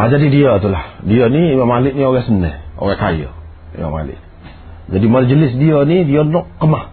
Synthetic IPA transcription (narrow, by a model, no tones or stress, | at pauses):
ad͡ʒadidiat̪ulahdiɔniːmamalɪʔnioɡɛsənɛho̰ɡɛkajo̰ | ḭma̰ma̰lɪ̰ʔ | d͡ʒadimald͡ʒəlɪsdiənidiɔnɔʔkːəmah